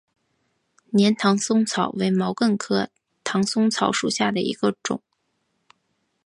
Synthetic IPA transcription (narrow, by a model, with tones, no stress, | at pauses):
njɛ˧˥nt̪ʰɑ˧˥ŋsʊ˥ŋt͡sʰɑ˨˩ʊwe˧˥ɪmɑ˧˥ʊkə˥˩nkʰɤ˥ | t̪ʰɑ˧˥ŋsʊ˥ŋt͡sʰɑ˧˥ʊʂu˨˩ɕja˥˩d̪ə˩ḭ˧˥ɡ̥ə˧ʈ͡ʂʊ̰˨˩˦ŋ